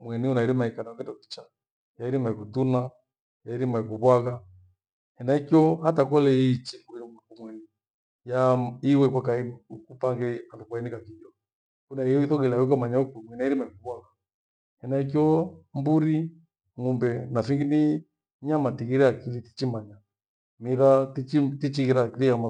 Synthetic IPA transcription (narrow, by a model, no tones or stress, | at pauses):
mwɛniunaiɾimaikanaɔkɛndɔki̥t͡ʃa | jaiɾimaikuduna | jaiɾimaikuβwaɣa | hɛnaikjɔhatakɔlɛit͡ʃɛikumwɛni | jaiwɛkwakaiukupaŋɡɛandukwainikakijɔ | kunaijɔiθɔɣɛlawikamaɲaukumwɛnaiɾimaikuβwaɣa | hɛnaikjɔmbuɾi | ŋumbɛnafiŋɡini | ɲamatiɣiɾɛakiliti̥t͡ʃimaɲa | miɾatit͡ʃitit͡ʃiɣiɾakilijama